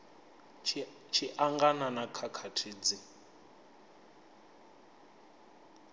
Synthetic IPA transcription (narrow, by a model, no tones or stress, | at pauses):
t͡ʃʰiʔaŋɡananakʰakʰatʰiːd͡zi